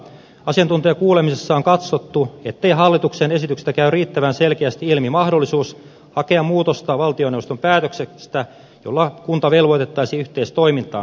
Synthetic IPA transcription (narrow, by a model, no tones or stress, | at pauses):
ɑsiɑnt̪unt̪ojɑkuːlemisesːɑoŋkɑt̪sot̪ːuet̪ːe̞iɦɑlːit̪uksene̞sit̪ykst̪ækæyriːt̪ːæʋænselkeæst̪iilmimɑhdolːisuːs | hɑkeɑmmuːt̪ost̪ɑʋɑlt̪io̞newost̪ompæːt̪øksest̪æ | jolːɑkunt̪ɑʋe̞lʋo̞jt̪et̪ːɑisiyht̪eist̪o̞imint̪ɑ̰ː